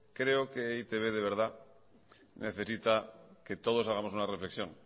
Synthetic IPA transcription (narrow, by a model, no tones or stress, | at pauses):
kɾeokeit̪eβeðeβ̞e̞ɾð̞a | nʔeθe̞sit̪aket̪o̞ð̞o̞s̬aɣ̞amosunare̞fle̞ksjõ̞ŋ